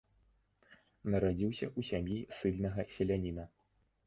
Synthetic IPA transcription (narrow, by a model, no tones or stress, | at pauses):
nɐɾad͡zʲiwsʲɐʔusʲamjisɨlʲnɐɣɐsʲɛlʲanʲinɐ